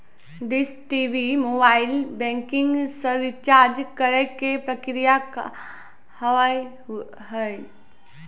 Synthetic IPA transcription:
ɖɪsʈiːʋimoːbaːɪlbɛ̃ːŋkɪ̃ŋɡsəɾʋɪt͡ʃaːɾd͡ʒkəɾəkepɾəkɾijaka | hɐʋai | ɦəe

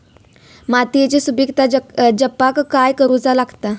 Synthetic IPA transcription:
mat̪ijt͡ɕisubikt̪ad͡ʑəpakːajkəɾuːt͡salaɡt̪a

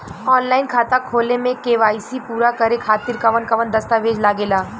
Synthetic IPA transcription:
ɔːnlaːɪnkʰaːt̪akʰoːlemẽkeːʋaːisipuːɾakɐɾekʰaːt̪ɪɾkɐʋənkɐʋənd̪ɐst̪aʋeːd͡ʒlaːɡeːlaː

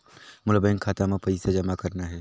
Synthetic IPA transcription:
mʊlbɛ̃ŋkʰːaːt̪amẽpɐɪsad͡ʒɐmakɐɾnaɦɛː

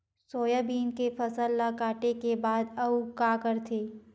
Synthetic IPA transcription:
soːjabiːnkefɐsəlːakaːʈekebaːd̪ɐukaːkɐɾt̪ʰeː

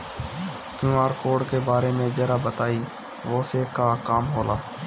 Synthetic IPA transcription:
kjũːaːɾkoːɖkeːbaːɾeːmẽːd͡ʒəɾaːbət̪aːiː | ʋoːseːkaːkaːmɦoːla̰ː

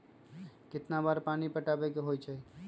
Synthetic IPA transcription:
kɪt̪nabaɾpanipəʈabɛkeɦojt͡ʃʰɛ

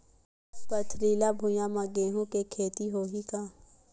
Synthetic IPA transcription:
pət̪ʰɾiːlabʱʊjãmãɡeːɦũkekʰeːt̪iɦoːɦit̪ʰaː

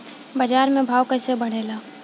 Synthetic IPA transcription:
bɐd͡ʒaːɾmẽbʱaːʋkəsebɐɽ̤eːlaː

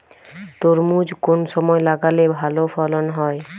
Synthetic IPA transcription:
t̪oɾmud͡ʒkonsɔmɔjlaɡalebʱalopʰɔlɔnɦɔj

